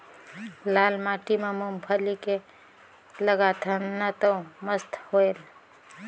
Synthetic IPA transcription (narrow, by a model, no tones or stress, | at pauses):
lalmaʈimemumpʰəlike | ləɡat̪ʰənnːət̪əwməst̪ʰhoel